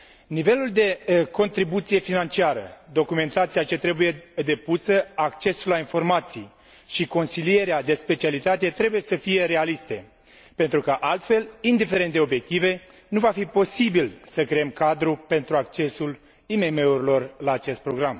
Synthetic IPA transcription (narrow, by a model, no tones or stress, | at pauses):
nive̞luld̪e̞ko̞nt̪ɾibut̪sije̞finant͡ʃiaɾə̰d̪o̞kume̞nt̪at̪sijat͡ʃe̞t̪ɾe̞buje̞d̪e̞pusəakt͡ʃe̞sulːainfo̞rmat̪sij | ʃiko̞nsilije̞ɾead̪e̞spe̞t͡ʃialit̪at̪e̞t̪ɾe̞buje̞səfije̞ɾe̞alist̪e̞ | pe̞nt̪ɾukəʔalt̪fe̞lind̪ife̞ɾent̪d̪eobje̞k̚t̪ive̞ | nuvafipo̞sibilsəkɾeemkad̪ɾupe̞nt̪ɾuakt͡ʃe̞sul | ime̞me̞uɾilo̞rlaːt͡ʃe̞st̪̚pɾo̞ɡɾam